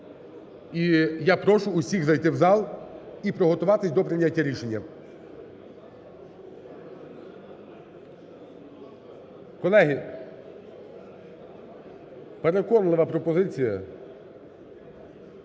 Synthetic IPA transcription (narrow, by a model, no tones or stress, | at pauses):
ijapɾɔʃʊːsʲiɣzɐjt̪ɪwzɑlˠipɾɔɦɔt̪ʊʋɑt̪ɪsʲd̪ɔpɾɪnʲatʲːɐɾʲiʃe̞nʲːɐ | kɔlˠɛɦi | peɾekɔnlˠɪʋɐpɾɔpɔzɪt͡sʲijɐ